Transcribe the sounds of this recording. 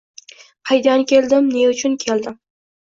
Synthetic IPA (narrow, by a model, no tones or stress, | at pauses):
qʰɑjd̪ankʲʰe̞lˠd̪ɪmneʊt͡ʃʰʊnkʲʰe̞ld̪ɪm